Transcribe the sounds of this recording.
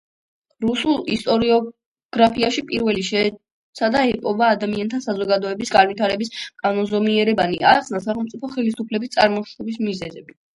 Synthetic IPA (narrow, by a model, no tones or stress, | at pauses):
ɾusulˠist̪ʼɔɾiɔ | ɡ̥ɾapʰiaʃipʼiɾvɛliʃɛː | t̪sʰad̪aɛpʼɔbaːd̪amiant̪ʰasazɔɡad̪ɔɛbisɡanwit̪ʰaɾɛbiskʼanɔnzɔmiɛɾɛbania̰χsnasaχɛlˠmt̪sʼipʰɔχɛlisupʰlɛbist̪sʼa̰ɾmɔʃɛbismizɛzɛbi